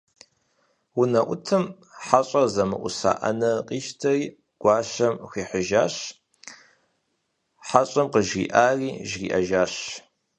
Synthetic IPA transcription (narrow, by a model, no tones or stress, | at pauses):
wʊnɐʔʷʊtʰɨm | ħaɕʼɐzɐmɨ̰ʔʷʊ̰sa̰ːʔɐ̰nɐqʼiːʃtʰɐriː | ɡ̥ʷɑːɕɐmxiːħəʒaːɕ | ħaɕʼɐmqəʒɣḭːʔaːriːʒɣḭːʔɐʒaːɕ